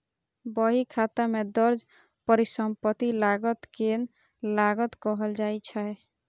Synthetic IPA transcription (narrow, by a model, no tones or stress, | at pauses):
bəɦikʰat̪amed̪ʌɾd͡ʒ | pəɾisəmpət̪ilaɡət̪ken | laɡət̪kɔɦəld͡ʒajt͡ʃʰae